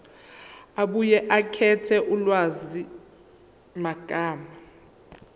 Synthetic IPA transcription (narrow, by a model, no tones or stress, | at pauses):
aɓujɛʔakʰɛtʰɛʔulwazi | maɡ̥ʱaːma